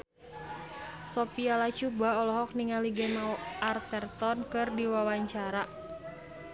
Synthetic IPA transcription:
sɔpialat͡ʃubaɔlɔɦɔk̚niŋaliɡɛmaart̪ɛrt̪ɔnkɨrdiwawaɲt͡ʃaɾa

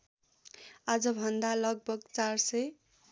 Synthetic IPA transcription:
ad͡zʌbʱʌnd̪alʌɡ̚bʱʌɡt͡sarsʌj

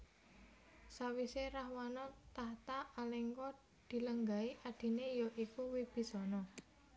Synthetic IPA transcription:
sawiseraɦwanɔt̪aht̪aːleŋkɔ | d̪̥i̤ləŋɡaiʔaɖ̪̥i̤nejɔʔikuwib̥i̤sɔnɔ

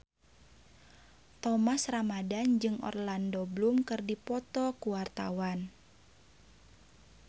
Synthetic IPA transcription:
t̪ɔmasramadand͡ʒɨŋɔ̰rlandoblumkɨrdipɔt̪ɔkuwart̪a̰wan

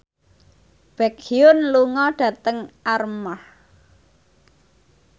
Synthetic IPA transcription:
b̥ɛkiʊnluŋɔɖ̥ä̤t̪əŋarməh

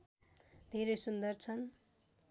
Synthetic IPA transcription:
d̪ʱeɾejsund̪ʌrt͡sʰʌn

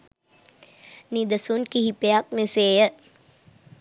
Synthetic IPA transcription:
nid̪əsunkihipejak̚meseːjə

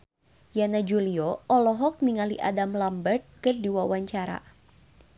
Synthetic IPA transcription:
janad͡ʒuliɔɔlɔɦɔk̚niŋaliʔa̰damlambərt̪̚kɨrdiwawaɲt͡ʃaɾa̰

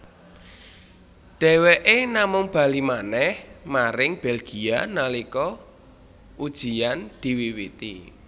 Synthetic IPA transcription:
ɖ̪̥ɛ̤weʔenamʊŋb̥a̤limanɛhmaɾɪŋb̥ɛlɡ̥i̤analikɔ | ud̥ʒ̥i̤and̪̥i̤wiwit̪i

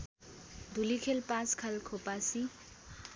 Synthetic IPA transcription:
d̪ʱulikʰelpãskʰalkʰopasi

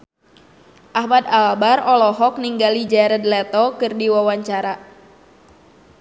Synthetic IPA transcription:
ʔahmad̪albarɔlɔɦɔk̚niŋɡalid͡ʒɛɾɛd̪lɛt̪ɔkɨrdiwawaɲt͡ʃaɾa

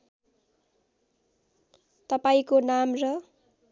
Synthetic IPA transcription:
t̪ʌpaĩkonamrʌ

